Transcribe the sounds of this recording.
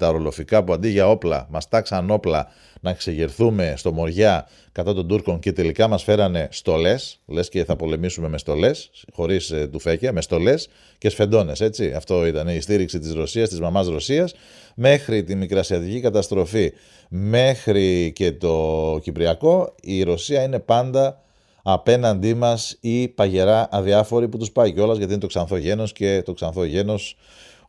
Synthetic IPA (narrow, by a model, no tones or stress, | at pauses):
t̪ɐoɾo̞lo̞fikɐpuɐnd̪iʝɐo̞plɐ̰mɐst̪ɐksɐno̞plɐ | nɐekseʝiɾθume̞st̪o̞mo̞ɾʝɐ | kɐt̪ɐt̪o̞nd̪uɾko̞ɲce̞t̪e̞likɐmɐsfe̞ɾɐne̞st̪o̞le̞sle̞sce̞θɐpo̞le̞misume̞me̞st̪o̞le̞sxo̞ɾist̪ufe̞cɐme̞st̪o̞le̞s | cesfe̞nd̪o̞ne̞se̞t͡siɐ̰ft̪o̞it̪ɐneist̪iɾiksit̪izɾo̞siɐst̪izmɐmɐsɾo̞siɐs | me̞xɾit̪imikɾɐsiɐt̪icikɐt̪ɐst̪ɾo̞fi | me̞xɾice̞t̪o̞cipɾiɐko̞iɾo̞siɐine̞pɐnd̪ɐː | pe̞nɐnd̪imɐsipɐʝe̞ɾɐʔːðiɐfo̞ɾiput̪uspɐiceo̞lɐzʝɐt̪inet̪o̞ksɐnθo̞ʝe̞no̞sce̞t̪o̞ksɐnθo̞ʝe̞nos